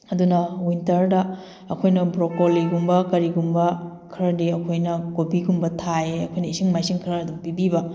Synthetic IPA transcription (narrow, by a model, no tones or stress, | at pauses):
ɐdunɐwintɐɾdɐ | ɐkʰojnɐbɾokolːiɡumbɐkɐɾiɡumbɐ | kʰɾɐdiɐkʰojnɐkobiɡumbɐtʰaeɐkʰojnɐisiŋmajsiŋkʰɾɐdumpibibɐ